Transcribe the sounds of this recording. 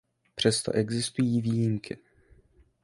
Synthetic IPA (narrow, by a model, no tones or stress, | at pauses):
pr̝̥ɛst̪o̰ʔɛɡzɪst̪ujiːviːjimkɪ